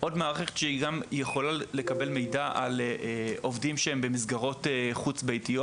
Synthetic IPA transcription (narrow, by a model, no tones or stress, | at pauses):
ʔo̞dmaːʁχeχe̥t̪ʃeiɡamjeχo̞lale̞kabe̞lme̞jdaʔaleo̞vdimʃeembe̞mizɡaʁo̞teχut͡sbejtijo